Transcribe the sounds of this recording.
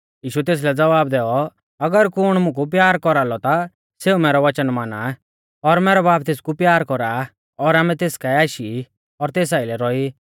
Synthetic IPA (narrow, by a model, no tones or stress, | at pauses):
jiːʃut̪eːs̬lɛd͡zɐʋaːbd̪ɛːɔ | ɐɡəɾkʊɽ̃mʊ̃k̬up̬jaːɾkɔɾalɔt̪a | seːumɛːɾɔʋɐt͡ʃənmaːna | ɔɾmɛːɾɔbaːp̚t̪eːskupjaːɾkɔɾa | ɔɾaːmɛ̃t̪eːskaɛaːʃi | ɔɾt̪eːs̬aːilɛɾɔi